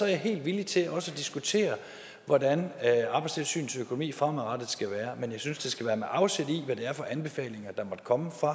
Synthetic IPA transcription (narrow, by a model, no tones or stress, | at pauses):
sɒɐjaɦe̝̰ːld̥ʋilit͡sʰe̝læʔɒ̽səd̥isɡ̥ut͡sʰe̝̰ːɐ | ʋɒdænɑ̈ːb̥ɑ̈ɪst͡sʰe̝lsy̰ːn̩søkʰo̝no̝mḭːfʁɑmʁɑd̥ð̩ˠsɡ̥æʋæːɐmenjɑ̈ɪsynsd̥e̝sɡ̥æʋæːɐmeʔɑ̈ʊsed̥iʋæd̥e̝æɐfɒ̽ʔænb̥e̝fɛ̰ːle̝ŋɐd̥ɑ̈mɒ̽d̥kʰɒ̽məfʁɑ̈